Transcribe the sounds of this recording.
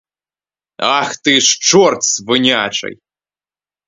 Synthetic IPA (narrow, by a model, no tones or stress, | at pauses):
axt̪ɨʂt͡ʃɔrt̪svɨnʲat͡ʃɐ̰j